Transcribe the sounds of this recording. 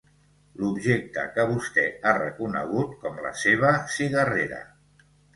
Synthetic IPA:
lubʒek̚t̪ə̰kəβust̪ɛarə̰kunə̰ɣ̞ut̪̚kɔmlə̰seβ̞əsiɣəreɾə̰

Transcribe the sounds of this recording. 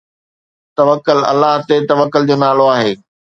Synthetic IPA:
t̪ɐʋəkːʊlɐ̰lːaɦt̪et̪ɐʋəkːʊld͡ʑoːnaːloaːɦeː

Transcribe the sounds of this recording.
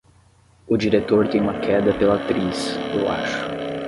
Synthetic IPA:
ʊd͡ʒiɾet̪oɾt̪ẽj̃ũmɐkʰɛd̪ɐpelat̪ɾisewa̰ʃʊ̥

